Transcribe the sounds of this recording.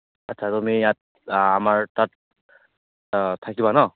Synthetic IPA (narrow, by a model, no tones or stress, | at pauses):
atːt͡ʃʰadɔmejat̪̚ | amaɹt̪at̚ | t̪ʰakibanɔ